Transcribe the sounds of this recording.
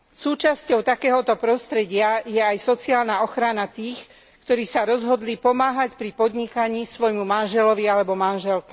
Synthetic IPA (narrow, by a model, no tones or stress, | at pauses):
suːt͡ʃascɔʊt̪akɛːɦɔt̪ɔpɾɔst̪ɾɛɟɪajɛajsɔt͡siaːlnaɔxɾanat̪iːx | kt̪ɔɾiːsaɾɔzɦɔd̪lipɔmaːɦacpɾipɔd̪ɲikaɲiːsʋɔjmumanʒɛlɔʋialɛbɔmanʒɛlkɛ